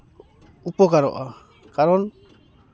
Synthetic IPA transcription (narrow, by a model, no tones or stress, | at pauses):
upɔkaɾɔ̰ʔa | kaɾɔn